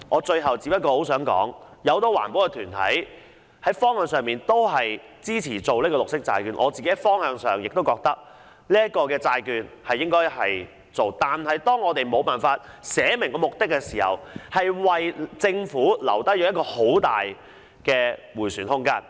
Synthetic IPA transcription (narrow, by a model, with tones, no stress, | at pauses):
ŋʔɔː˨˧t͡ʃɵ˧ɥɦɐ˨˩wt͡si˧pɐ˥tkɔː˧ho˨˥wsœː˨˥ŋkɔ̰ː˨˥ŋjɐ˨˧wt̪o˧wa̰ː˨˩npoː˨˥kɛ˧t̪ʰyː˨˩nt̪ʰɐ˨˥j | hɐ˨˥jfɔː˥ŋhœː˧ŋsœː˨ŋmiː˨nt̪o˥wɦɐ˨j | t͡siː˥t͡sʰiː˨˩t͡so˨wliː˥kɔː˧lʊ˨k̚sɪ˥k̚t͡sa̰ː˧jkyː˨˧nʔɔ̰ː˨˧t͡siː˨ke˨˥jhɐ˨jfɔː˥ŋhœː˧ŋsœ̰ː˨ŋjɪ˨k̚t̪o˥wkɔː˧k̚t̪ɐ˥k̚ | liː˥ɐt̚kɔː˧kɛː˧t͡saː˧jkyː˨˧nhɐ˨jːɪ˥ŋkɔː˥jhɐ˨j | t͡so˨wt̪aː˨nɦɐ˨jt̪ɔː˥ŋɔː˨˧t̪e˨jmo˨˧wpaː˨˩nfaː˧t̚ | sɛː˨˥mɪ˨˩ŋkɔ˧mʊ˨k̚t̪ɪ˥kːɛː˧siː˨˩hɐ̰˨˩whɐ˨jwɐ˨jt͡sɪ˧ŋfuː˨˥lɐ̰˨˩wt̪ɐ˥jɔː˨˧˥jɐ˥kɔː˧ho˨˥wt̪aː˨j | kɛː˧wuː˨˩jsyː˨˩nhʊ˥ŋkaː˥n